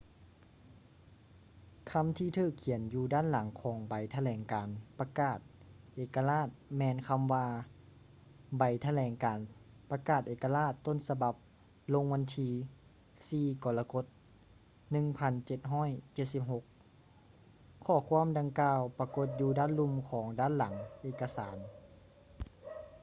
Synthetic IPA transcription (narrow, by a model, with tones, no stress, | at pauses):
kʰa˧˥˨mt̪ʰiː˧t̪ʰɯː˧˩kʰːi˨˩˦ənjuː˧daː˧˥˨nla˨˦ŋkʰɔː˨˦ŋba˨˩jt̪ʰa˧lɛː˨˩ŋkaː˨˩npa˧kaː˧˩t̪̚ʔeː˨˩ka˧laː˥˩t̪̚mɛː˧˨nkʰa˧mʋaː˧ | ba˨˩jt̪ʰa˧lɛː˨˩ŋkaː˨˩npa˧kaː˧˩t̪̚ʔeː˨˩ka˧laː˥˩t̪ːo˧˥˨nsa˧ba˧˦p̚ | lo˧ŋʋa˧nt̪ʰiː˧ | siː˧˩kɔː˨˩laː˧ko˧˥t̪̚ | nɯ˧ŋpʰa˧nt͡ɕe˧˦t̪̚ɦɔː˥˨jt͡ɕe˧˩t̪̚si˧˥p̚ɦo˧˦k̚ | ɔː˧˩kʰu˧˥˨ə˨mda˧ŋkaː˧wpa˧ko˧˦t̪̚juː˧daː˧˥˨nlu˧˨mkʰɔː˨˩˦ŋdaː˧˥˨nla˨˩˦ŋʔeː˧˩kːa˧saː˨˦n